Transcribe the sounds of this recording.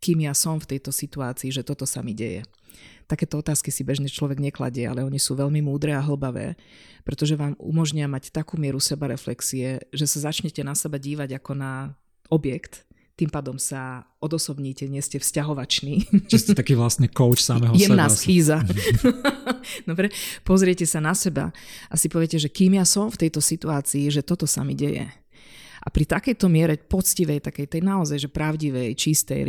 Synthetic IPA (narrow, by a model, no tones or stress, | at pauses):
kiːmjasɔmft̪ɛjt̪ɔsit̪uaːt͡siːʒɛt̪ɔt̪ɔsa̰miɟɛ̰jɛ̰ | t̪akɛːt̪ɔɔt̪aːskisibɛʒɲɛt͡ʃlɔʋɛɡɲɛkla̰ɟɛa̰lɛɔɲisuːʋɛʎmimuːd̪ɾɛːaɦl̩baʋɛ̰ːpɾɛt̪ɔʒɛʋaːmṵmɔʒɲiamact̪akuːmɪɛɾusɛbaɾɛflɛksiɛʒɛsazat͡ʃɲɛcɛnasɛbaɟiːʋaɟakɔna | ɔbjɛkt̪ | t̪ːimpaːd̪ɔmsa | ɔd̪ɔsɔbɲiːcɛɲɪɛscɛfscaɦɔʋat͡ʃniːt͡ʃisct̪akiːʋlasɲɛkɔʊt͡ʃsamɛɦjɛmnaːsxiːza | d̪̥ɔbɾɛpɔzɾɪɛcɛsanasɛba̰ʔasipɔʋɪɛcɛʒɛkiːmjasɔmft̪ɛjt̪ɔsit̪uaːt͡siːʒɛt̪ɔt̪ɔsa̰miɟɛjɛ̰ | ʔa̰pɾit̪akɛjt̪ɔmɪɛɾɛpɔt͡sciʋɛjt̪akɛjt̪ɛjnaɔzajʒɛpɾaʊɟiʋɛjt͡ʃist̪ɛ̰j